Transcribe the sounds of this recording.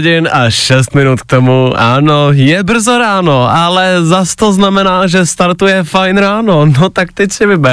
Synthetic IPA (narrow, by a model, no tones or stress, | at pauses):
ɟɪnʔaʃɛst̪mɪnut̪k̚t̪omuʔa̰ːnojɛbr̩zoɾaːnoʔalɛzast̪oznamɛnaːʒɛst̪aɾt̪ujɛfajnɾaːno̞not̪ak̚t̪ɛcsɪvɪbɛ